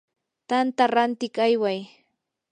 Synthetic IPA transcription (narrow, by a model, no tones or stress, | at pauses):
t̪ant̪aɾant̪ɪkajwaj